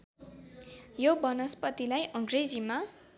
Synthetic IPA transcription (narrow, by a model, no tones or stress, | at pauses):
jobʌnʌspʌt̪ilajʔʌ̃ŋɡred͡zima